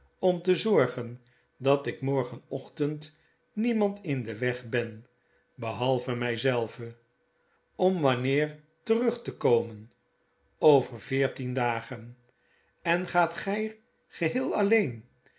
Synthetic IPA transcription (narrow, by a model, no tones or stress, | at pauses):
ɔmtəzɔɹχən | dɑtɪkmɔɹχənɔχtənt | nimɑntɪndəʋɛχbɛn | bəɦɑlˠvəmɛjzɛlˠvə | ɔmʋɑnɪːɹ | tərɵχtəkowmən | owvərvɪːɹtindaːχən | ɛnχaːtχɛj | χəɦɪːlˠɑlejn